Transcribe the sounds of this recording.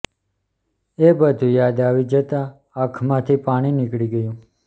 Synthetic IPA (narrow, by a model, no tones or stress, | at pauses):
ebəd̪ʱũjad̪aʋid͡ʒət̪ã | akʰmãt̪ʰipaɽ̃inɪkɽiɡəjũ